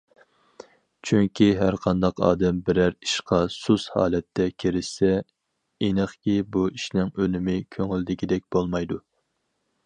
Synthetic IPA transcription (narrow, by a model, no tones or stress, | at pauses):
t͡ʃʰyŋkʲʰiɦæɾqʰɑnd̪ɑqɑ̰ːd̪ɛmbɪɾæɾiʃqʰɑsushɑ̰ːlˠɛt̪ʰːɛkʲʰeɾɪʃsɛ | enɨχkʲibuiʃnɪŋølɪmɪkʲʰøŋylɪd̪ɪkʲid̪ɛk̚ʲb̥olˠmɑjd̪u